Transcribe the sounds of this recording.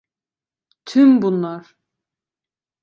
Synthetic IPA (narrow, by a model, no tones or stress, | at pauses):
t̪ʰymbunlˠaɾ